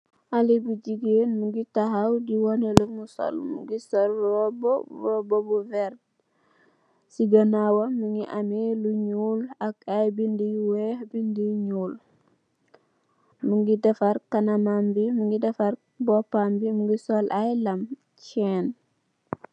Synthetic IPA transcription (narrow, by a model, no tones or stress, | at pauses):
ʔalibud͡ʒiɡenmuŋɡitaɦawdiwɔnelumuso̰lmṵɡisɔlɔbɔbobobuvɛɾd̚ | siɡanawomuŋɡiʔamiluɲulakajbindiwehbindiɲuːl | muŋɡidɛfaɾkanamambimuŋɡidɛfaɾ | bɔpambimuŋɡisɔlʔajlam | cɛːn